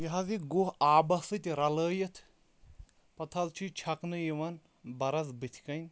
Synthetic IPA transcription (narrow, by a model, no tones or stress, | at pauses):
jɐɦɐziɡoɦaːbɐsɨt̪ʲɾɐləːjɐt̪ʰ | pɐt̪ʰɐlt͡ʃʰit͡ʃʰɐknɨjiʋɐn | bɐɾɐzbɨt̪ʰʲkɐnʲ